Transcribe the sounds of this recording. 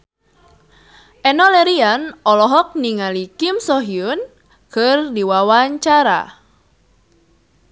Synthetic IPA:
ʔɛnɔleɾianɔlɔɦɔk̚niŋalikɪmsɔɦiʊn | kɨrdiwawaɲt͡ʃaɾa̰

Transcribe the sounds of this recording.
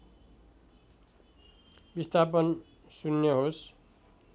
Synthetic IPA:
bist̪ʰapʌn | sunjʌɦos

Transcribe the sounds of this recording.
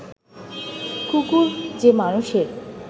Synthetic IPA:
kukuɾd͡ʑemanuʃeɾ

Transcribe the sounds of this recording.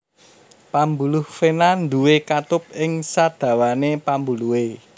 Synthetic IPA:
pambulʊhfenand̪uwekat̪ʊp̚ɪŋsad̪̥ä̤wanepambuluwe

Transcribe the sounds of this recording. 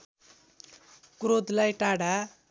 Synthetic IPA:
kɾod̪lajʈaɽa

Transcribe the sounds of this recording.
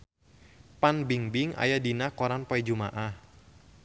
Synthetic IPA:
panbiŋbiŋa̰jadinahkɔɾanpɔɛd͡ʒuma̰ʔah

